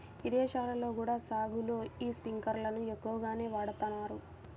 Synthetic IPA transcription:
id̪eːʃaːlɐlo̞ːɡuːɽaːsaːɡuloːiːspiŋkɐɾlɐnuekːuʋɐɡaːne̞ːʋaːɽɐt̪ɐnːaːɾu

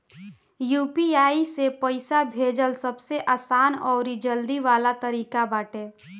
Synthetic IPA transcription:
jupiaːisepəɪsabʱed͡ʒəlsəbseʔaːsaːnɔːɾid͡ʒəld̪iʋaːlat̪əɾiːkabaːʈe

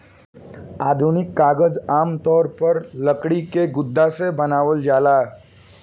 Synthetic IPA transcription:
aːd̪ʱunɪkːaːɡəd͡zaːmt̪ɔːɾpəɾləkɽikeɡʊd̪ʱːasebənaːʋəld͡ʒaːla

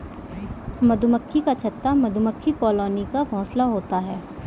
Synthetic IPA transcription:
mɐd̪ʱʊməkʰːikat͡ʃʰɐt̪ːamɐd̪ʱuməkʰːikɔːloːnikabʱɔ̃ːslaɦoːt̪aɦɛː

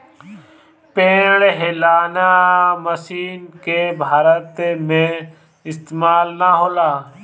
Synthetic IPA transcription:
pẽːɽɦeːlaːnaːməsiːnkeːbʱaːɾət̪emẽː | ɪst̪emaːlnaːɦoːlaː

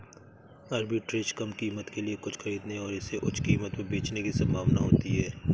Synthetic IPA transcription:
ɐɾbʱiʈɾeːʃkɐmkiːmət̪keliekʊt͡ʃʰxɐɾiːd̪neɔːɾɪseʔʊt͡ʃʰkiːmət̪mẽbeːt͡ʃnekisɐ̃mbʱaːʋnaɦoːt̪iɦɛː

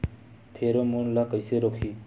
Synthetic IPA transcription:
pʰeɾomonlakajseɾɔkʰːi

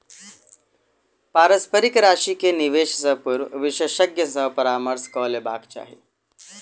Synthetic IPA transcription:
paːɾəspəɾikɾaɕikeniʋeɕsəpuɾʋiɕəɕəɡjəsəpəɾaːməɾskɔlebʱa̰ɡt͡ɕa̰ɦḭ

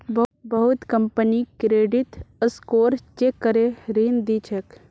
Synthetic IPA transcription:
bəbəɦut̪kəmpənikɾeːɖit̪əskoːɾt͡ʃekːəɾeɾiːnd̪it͡ʃʰek

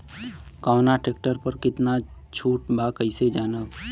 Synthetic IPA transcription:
kaːnaʈeːk̚ʈəɾpəɾkɪt̪na | t͡ʃʰuːʈ̚bʱakəɪsed͡ʒaːnə

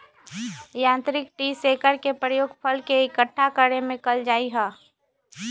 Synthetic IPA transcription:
jãːnt̪ɾɪk̚ʈiːseːkəɾkepɾəjoːɡpʰəlkeɪkəʈʰːakəɽemẽkəld͡ʒaːiɦɛː

